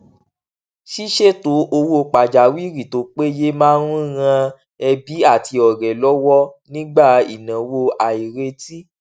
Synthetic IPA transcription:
ʃi˦ʃe˦to˨˦ʔo˧wo˦˧k͡pa˨d͡ʒa˨wi˦˨ɾi˨to˨˦k͡pe˦je˦mãː˦ɾũ˦˧ɣã˧ | ɛ˧bi˨˦a˦˨ti˧ɔ˨ɾɛ˨lɔ˦wɔ˦nĩ˦ɡ͡ba˦˨ḭ˨nã˨wo˧a˨i˨ɾe˧ti˦

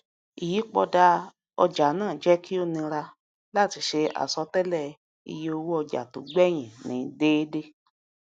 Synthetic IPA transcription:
i˨ji˨˦k͡pɔ˧da˧ | ɔ˧d͡ʒa˨˦nãː˦˨d͡ʒɛ˦kʰi˦o˦˨nĩ˧ɾa˧ | la˦˨ti˧ʃe˧a̰˨sɔ˧˦tɛ˦lɛ˦˨ | ḭ˧je˦o˧wo˦ɔ˧d͡ʒa̰˨tu˨˦ɡ͡bɛ˦˨j̃ĩ˨nĩ˨˦deː˦de˦

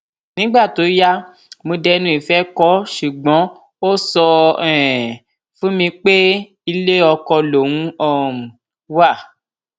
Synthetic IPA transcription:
nĩ˨˦ɡ͡ba˦˨to˨˦ja˦ | mõ˧dɛ˧nũ˦i˦˨fɛ˦kɔ˦ʃu˨ɡ͡bɔ̃˨˦ | o˦sɔ˧ɛ˨ | fũ˦mĩ˧k͡pe˦ | i˧le˦ɔ˧kɔ˧lo˨wũ˦ɔ̃˦˨ | wa˦˨

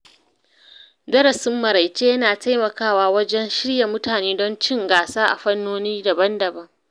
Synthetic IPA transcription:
dɐ˦ɾɐ˨sɪ˦mːɐ˨ɾa˨jt͡ʃeː˦jɐ˦naː˨tʰa˦jmɐ˨kaː˦˨waː˦wɐ˦d͡ʒɛ˦nʃɪ˦ɽja˨mʊ˦taː˨neː˦dɔ˦nt͡ʃɪ˦ŋɡaː˨saː˦ʔa̰˨ɸɐ˦nːoː˦niː˦dɐ˨bɐ˦ndɐ˨bɐ˦ŋ

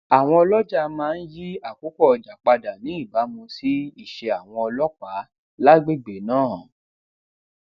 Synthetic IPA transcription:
a˨w̃ɔ̃˧ɔ˧lɔ˦d͡ʒa˦˨mãː˦˧n̩˦ji˦a˦˨ku˨˦kɔ˦˨ɔ˨d͡ʒa˨k͡pa˧da˨nĩ˨˦i˦˨ba˨˦mũ˧si˦i˦˨ʃe˧a˨w̃ɔ̃˧ɔ˧lɔ˦k͡pa˨˦ | la˦ɡ͡be˦˨ɡ͡be˨nãː˦˨

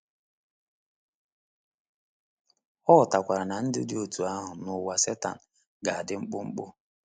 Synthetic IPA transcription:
ɔ˦˨ta˨kʷa˨ɾa˨na˨n̩˦dɪ̰˦dɪ˦o˨tu˨a˦ɦʊ˨nʊ˨wa˨se˦ta̰˨n̩˨ | ɡa˨a˨dɪ˨˦ŋ͡m̩˦k͡pʊ˦ŋ͡m̩˦k͡pʊ̰˦

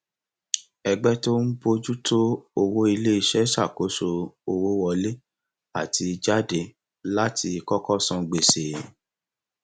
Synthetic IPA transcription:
ɛ˧ɡ͡bɛ˦to˦n̩˦bo˦d͡ʒu˦to˦o˧wo˦i˧le˦i˦˧ʃɛ˨˦ʃa˦˨ko˨˦so˧o˧wo˦wɔ˧le˦ | a˦˨tʰi˧d͡ʒa˦de˧ | la˦tʰi˧kɔ˦kɔ˦sɔ̃˦˧ɡ͡be˨se˨

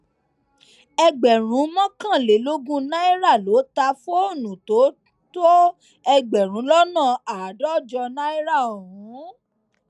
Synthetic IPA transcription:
ɛ˧ɡ͡bɛ˨ɾ̃ũ˨˦mɔ̃˦kã˦˨le˨˦lo˦ɡũ˦nã˦i˦ɾa˦˨lo˨˦ta˧˦fo˦o˦˨nũ˨to˨˦ | to˦ | ɛ˧ɡ͡bɛ˨ɾ̃ũ˨˦lɔ˦nã˦˨a˨dɔ˦˨d͡ʒɔ˧nã˦i˦ɾa˦˨o˨ɾũ˨˦

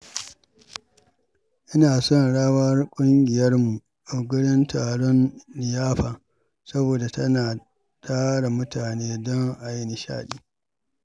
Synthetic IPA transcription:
ʔɪ˦naː˨sɔ˦nɽaː˦wɐ˦rkʷʼʊ˦ŋɡʲɪ˨jɐ˦rmu˨ | ʔa˨ɡʊ˦ɽɪ˦ntʰaː˨ɽɔ˦nlɪ˨jaː˦ɸaː˨ | sɐ˦boː˨da˨tɐ˦naː˨ | taː˦ɽa˨mʊ˦taː˨neː˦dɔ˦ŋʔa˨jɪ˦ni˨ʃa̰ː˦ɗiː˦

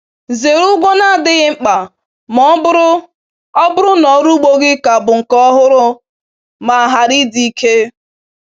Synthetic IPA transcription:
ze˨ɾu˦ɡʷɔ˦na˦˨dɪ˦ɣɪ˦ŋ͡m̩˦k͡pa˨ | mɔ˦bʊ˦ɾʊ˦ | ɔ˦bʊ˦ɾʊ˦nɔ˨˦ɾu˦ɡ͡bo˦ɡɪ˦ka˨bʊ˨ŋ̩˨kɔ˦ɦʊ˦ɾʊ˦ | ma˨a˨ɦa˨ɾi˦di˨˦kʰe˦

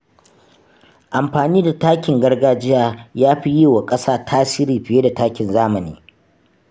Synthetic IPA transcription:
ʔa˨mɸaː˨niː˦da˨taː˦kʲɪ˨ŋɡɐ˦rɡaː˦d͡ʒɪ˦jaː˦jaː˦ɸi˦jiː˦˨wa˨kʼɐ˦saː˦tʰaː˦siː˦ɾiː˨ɸɪ˨jeː˦da˨taː˦kʲɪ˨nzaː˦mɐ˨nḭː˦

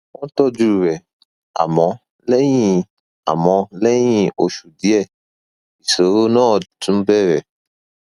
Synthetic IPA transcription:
wɔ̃˦tɔ˦d͡ʒu˦ɾɛ˨ | a̰˨mɔ̃˧ | lɛ˦jĩ˦ | a̰˨mɔ̃˧lɛ˦j̃ĩ˦o˨ʃu˨di˦ɛ˦˨ | i˨so˨˦ɾo˦nãː˦˨tũ˨˦bɛ˦˨ɾɛ˨

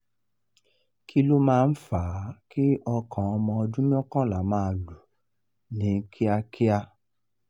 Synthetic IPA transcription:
kʰi˦lo˦mãː˦˧n̩˦faː˨˦ki˦ʔɔ˧kʰã˨ɔ˧mɔ̃˧ɔ˧dũ˦mĩ˦ɔ̃˦kã˦la˨˦mãː˦˧˦lu˨ | nĩ˨˦kʰi˦a˧kʰi˦a˧

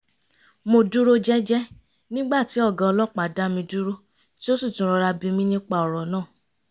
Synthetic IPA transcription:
mo˧du˦ɾo˦d͡ʒɛ˦d͡ʒɛ˦ | nĩ˦ɡ͡ba˦˨ti˨˦ɔ˦˨ɡã˨˧ɔ˧lɔ˦k͡pa˨da˦mĩ˧du˦ɾo˦ | ti˦o˦su˦˨tũ˨˦ɾ̃ɔ˧ɾa˧bĩ˧mĩ˦nĩ˦k͡pa˦ɔ˨ɾɔ˨nãː˦˨

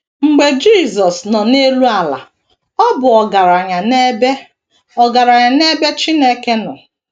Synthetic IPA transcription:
ŋ͡m̩˨ɡ͡be˨d͡ʒi˦˨zɔ˨snɔ˨ne˦lu˦a˨la̰˨ | ɔ˦bʊ˨ɔ˨ɡa˨ɾa˨ɲa˨n˦b | ɔ˨ɡa˨ɾa˨ɲa˨ne˦be˦t͡ʃi˦ne˦ke˦nʊ˨

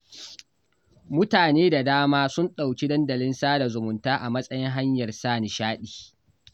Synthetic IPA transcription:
mʊ˦taː˨neː˦da˨daː˦maː˦sʊ˦nɗa˨wkʲi˦dɐ˦ndɐ˨lɪ˦nsaː˦da˨zʊ˨mʊ˨ntaː˦ʔa˨mɐ˦sʼɐ˦jɪ˦ŋɦa˦ɲjɐ˨rsaː˦˨ni˨ʃaː˦ɗiː˨

